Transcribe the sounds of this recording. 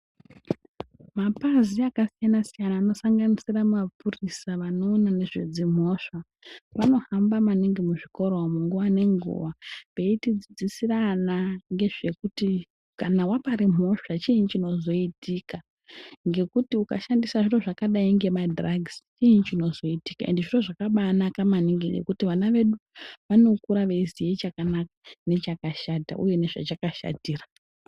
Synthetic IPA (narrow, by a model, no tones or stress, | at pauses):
mapaziakasijanasijanaːno̞saŋɡanisirammapʰurisaʋano̞ːnane̞ʐed͡zim̤o̞ʂa | ʋano̞hambamaniŋɡimuʐiko̞ɾomuŋɡuʋane̞ŋɡṵʋape̞itid͡zid͡zisiranaŋɡe̞ʐe̞kuti | kanawapaɾimo̞ʂat͡ʃint͡ʃino̞zo̞itika | ŋɡe̞kutiuka̰ʃandisaʐiro̞ʐakaɗaiŋɡe̞madraɡz̥t͡ʃiːnit͡ʃino̞zo̞iti̥kaendeʐiro̞ʐakaɓanakamaniŋɡenḛkutiʋanaʋe̞ɗuʋano̞kuɾaʋe̞izijet͡ʃakanakane̞t͡ʃakaʃata̰ʔṵje̞ne̞ʐa̰t͡ʃakaʃa̰tiːra